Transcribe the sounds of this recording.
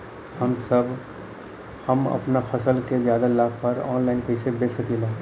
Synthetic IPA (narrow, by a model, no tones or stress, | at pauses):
hɐmsɐb | hɐmɐ̰pnapʰɐsəlkezjaːd̪alaːɡ̚pɐɾɔːnlaːɪnpɛɪsebeːsəkelaː